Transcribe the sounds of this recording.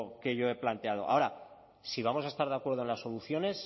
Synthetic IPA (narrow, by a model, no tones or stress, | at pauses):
ke̞ʝo̞e̞plant̪e̞að̞o̞̰ʔa̰o̞ɾa | siβ̞amo̞sae̞st̪aɾðeakwe̞ɾðoe̞nlaso̞luθjo̞ne̞s